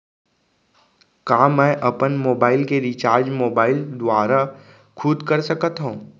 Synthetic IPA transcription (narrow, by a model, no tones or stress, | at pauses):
kaːmɛ̃ːʔɐpənmoːbaːɪlkeɾit͡ʃaːɾd͡ʒmoːbaːɪld̪ʊaːɾa | kʰuːd̪kəɾsəkət̪ɦõː